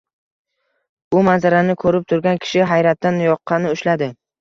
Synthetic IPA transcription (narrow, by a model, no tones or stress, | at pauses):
bʊmanzaɾanɪkʰɵɾɪp̚t̪ʰʊɾɡʲankʲʰɪ̥ʃɪɦajɾat̪ːanjɒqʰːɑnɪʊʃlad̪ɪ